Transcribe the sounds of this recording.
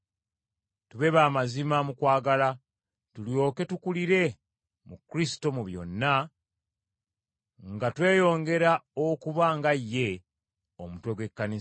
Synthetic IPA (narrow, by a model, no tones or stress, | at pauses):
tuβe̞βaːmazimamukwaːɡala | tuljo̞ːke̞tukuliɾe̞ | mukɾisi̥to̞muβjo̞̰nːa | ŋɡatwe̞ːjo̞ːŋɡe̞ɾaokuβaŋɡajːe̞ | omutwe̞ɡwe̞kːanis